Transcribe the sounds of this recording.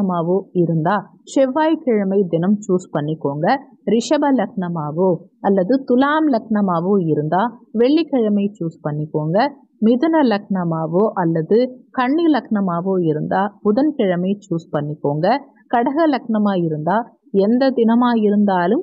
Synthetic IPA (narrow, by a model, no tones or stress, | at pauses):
ɐmaːʋoːɪɾɯnd̪aː | ʂɛʋːaːjkɪɻɐmɐɪd̪ɪnɐmt͡ʃuːspɐɳːɪkːoːŋɡɐ | ɾɪʂɐbɐlɐkɳɐmaːʋoːɐlːɐðɯt̪ʊlaːmlɐkɳɐmaːʋoːɪɾɯnd̪aːʋɛɭːikɪɻɐmɐɪt͡ʃuːspɐɳːɪkːoːŋɡɐ | mɪðɯnɐlɐkɳɐmaːʋoːʔɐlːɐðɯkɐɳːilɐkɳɐmaːʋoːɪɾɯnd̪aːpʊðɐnkɪɻɐmɐɪt͡ʃuːspɐɳːɪkːoːŋɡɐ | kɐɽɐɣɐlɐkɳɐmaːɪɾɯnd̪aː | ɛnd̪ɐd̪ɪnɐmaːjɪɾɯnd̪aːlɯm